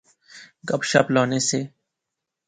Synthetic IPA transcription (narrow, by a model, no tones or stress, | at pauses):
ɡɐbʃa̰plɔːneseː